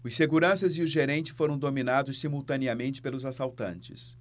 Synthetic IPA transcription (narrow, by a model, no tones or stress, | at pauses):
ʊseɡuɾɐ̃sɐzɪʊʒeɾẽnt͡ʃɪ̥foɾɐ̃w̃d̪ominad̪ʊssimuwt̪ɐniɐmẽnt͡ʃɪ̥pelʊzasawt̪ɐ̰̃nt͡ʃɪ̰s